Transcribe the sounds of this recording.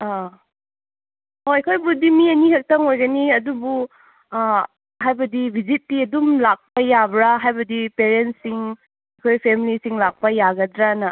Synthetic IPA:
a | hoɐjkʰojbudimiɐnihɐk̚tɐŋojɡɐniɐdubu | ɦajbɐdibʱizitːiɐdumlak̚pɐjabɾaɦajbɐdipeɾentsiŋ | ɐjkʰojpʰemilisiŋlak̚pɐjaɡɐdɾanɐ

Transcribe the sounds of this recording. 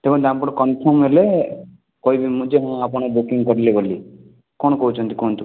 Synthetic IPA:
t̪ekɔ̃t̪ampɔɽɔkɔnpʰɔmɦele | kɔibimũd͡ʒeɦãapɔɽ̃ɔbukiŋkɔɾileboli | kɔñɔkɔɦut͡ʃʰɔnt̪i̥kɔnt̪u

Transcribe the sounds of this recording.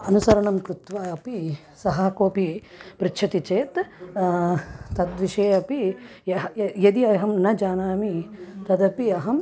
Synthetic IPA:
ɐnusɐɾɐɳɐmkɾut̪ʋaːɐpi | sɐɦɐkoːpipɾɪtːt͡ʃʰɐt̪it͡ʃeːt̪ | t̪ɐd̪ʋiʃeːɐpijɐɐjɐd̪iɐɦɐmnɐd͡ʒaːnaːmit̪ɐd̪ɐpiɐɦɐm

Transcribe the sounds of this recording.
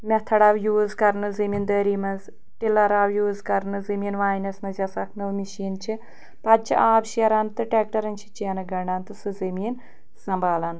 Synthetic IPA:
mʲet̪ʰɐɽaːʋjuːzkɐɾnɨzɐmiːnd̪ɐːɾimɐnz | ʈilɐɾaːwjuːzkɐɾnɨzɐmiːnʋaːjnɐsmɐzʲɐsɐkʰnɨʋmiʃiːnt͡ʃʰi | pɐd̪̚t͡ʃʰiʔaːbʃɐɾant̪ɨʈeːk̚ʈɐɾɐnt͡ʃʰi̥t͡ʃiɐnɐɡɐɳɖant̪ɨsɨzɐmiːn | sɐmbaːlɐn

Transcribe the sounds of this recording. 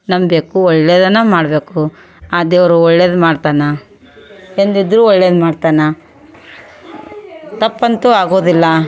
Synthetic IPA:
nɐmbeːkuɔɭːeːd̪ɐnːɐmaːɽbe̞ːku | aːd̪eɐʋɐɾuɔɭːeːd̪maːɖt̪aːnɐ | end̪id̪ɾuːɔɭːeːd̪maːɖt̪aːnɐ | t̪ɐpːɐnt̪uaːɡo̞ːd̪ilːɐ

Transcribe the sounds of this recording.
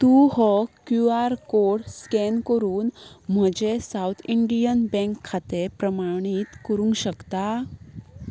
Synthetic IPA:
t̪uhɔkjuaɾkoɽskenkəɾuːnm̤əd͡ʑesawt̪ʰiɳɖijənbɛ̃ŋkʰːat̪epɾəmaɽ̃it̪kəɾũŋɡɕəkt̪a

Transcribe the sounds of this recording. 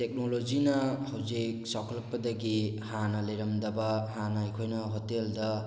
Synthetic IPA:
tek̚nolozinɐhawzik̚sɔkʰlɐpːɐdɐɡihanɐlejɾɐmdɐbahanɐajkʰojnɐɦoteld̪ɐ

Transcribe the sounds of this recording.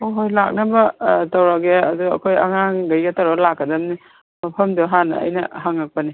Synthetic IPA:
oɦojlak̚nɐbɐtɐwɾaɡeɐduɐ̰kʰojɐ̰ŋaŋɡɐjɡɐtɐɾalakːɐdɐmni | mɐpʰɐmduɦanɐ̰ɐ̰jnɐ̰haŋak̚pɐni

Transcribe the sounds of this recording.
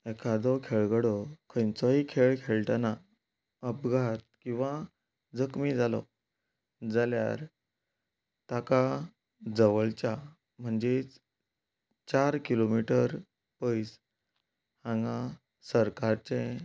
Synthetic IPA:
ekʰad̪ɔkʰeɭɡəɽɔkʰə̃jnt͡sɔɦikʰeɭkʰeɭʈana | əpɡʱat̪̚kĩw̃ʋã | d͡zəkmid͡zalɔ̰ | d͡zalja̰ɾ | t̪aka | d͡zəʋəɭt͡ɕa | m̤əɳd͡ʑet͡s | t͡ɕaɾkilomiʈəɾ | pəjs | hãŋɡã | səɾkaɾt͡sẽ

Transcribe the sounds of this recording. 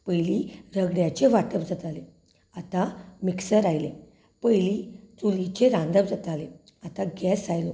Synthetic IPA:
pəjliɾəɡɽjat͡ɕeʋaʈəp̚d͡zat̪ale | at̪amiksəɾajle | pəjlit͡sulit͡ɕeɾãnd̪əbd͡zat̪ale | at̪aɡɛsajlo

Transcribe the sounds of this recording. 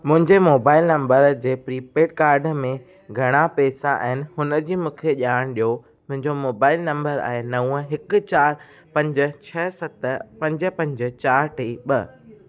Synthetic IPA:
mʊ̃ɦɪ̃ɲd͡ʑemoːbaːɪlnɐ̃mbəɾd͡ʑeːpɾiːpeːɖkaːɾɖmẽ | ɡʱɐɽ̃apeːsaʔa̰ɦɪnɪ̆ɦʊnə̆d͡ʑiːmũːkʰeʄaːɽ̃ɗijo | mʊ̃ɦɪ̃ɲd͡ʑomoːbaːɪlnɐ̃mbəɾa̰ːenɐũɦɪkʊ̆t͡ɕaːɾ | pɐ̃ɲd͡ʑə̆t͡ɕʰɐsɐt̪pɐ̃ɲd͡ʑə̆pɐ̃ɲd͡ʑə̆t͡ɕaːɾʈʰeːɓɐ

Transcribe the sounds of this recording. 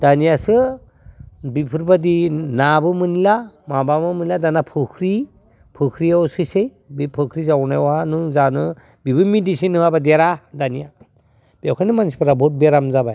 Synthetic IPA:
danijasɯ | bipʰɯɾbadinabɯmɯnilamabamɯmɯniladanapʰɯkʰɾi | pʰɯkʰɾiawsɯsej | bipʰɯkʰɾizawnajwanɯŋzanɯ | bibɯnmidisinːɯabadeɾadanija | biawkʰanɯmansi̥pʰɾabɔt̚beɾamzabaj

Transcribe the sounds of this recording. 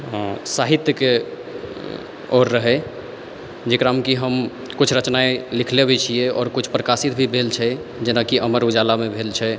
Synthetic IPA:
saɦit̪jəke | oɾːəɦɛ | d͡ʒekɾamkiɦəm | kut͡ʃʰɾət͡ʃnaelikʰlebʱet͡ʃʰijɛɔ̰ːɾkut͡ʃʰpɾəkasit̪̚bʱibʱelt͡ʃʰɛ | d͡ʒenakiʔəməɾud͡ʒalamebʱelt͡ʃʰɛ

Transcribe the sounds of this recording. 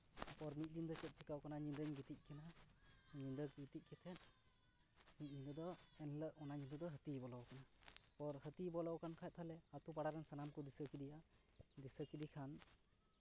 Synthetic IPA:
pɔɾmit̪̚d̪ind̪ɔt͡ʃɛt̪̚t͡ʃʰikawkanaɲinɾəɲɡit̪ic̚kʰɛnaɲind̪əkɡit̪ic̚kʰɛt̪ʰɛn | mit̪̚d̪ind̪ɔd̪ɔɛnləʔɔnaɲind̪ɔd̪ɔɦət̪ibɔlawkanapɔɾɦət̪ibɔlawkankʰajt̪̚t̪ʰalɛat̪upaɽaɾɛnsanamkɔd̪isəkid̪ijaʔ | d̪isəkid̪ikʰan

